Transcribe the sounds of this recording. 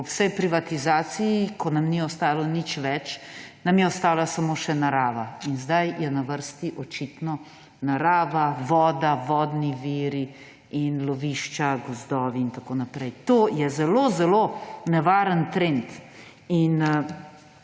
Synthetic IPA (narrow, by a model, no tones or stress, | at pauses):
ɔwsɛjpɾiʋat̪izaːsijikʰɔnamniɔst̪aːlɔnit͡ʃʋɛt͡ʃnamjɛɔst̪aːlasamoːʃɛnaɾaːʋainzd̪ajjɛnaʋəɾst̪iʔɔt͡ʃit̪nɔ | naɾaːʋaʋɔːd̪aʋɔːd̪niʋiːɾi | inlɔʋiʃt͡ʃaɡɔzd̪ɔːʋiːnt̪akoːnapɾɛjt̪oːjɛzɛlozɛlonɛʋaːɾənt̪ɾent̪ | in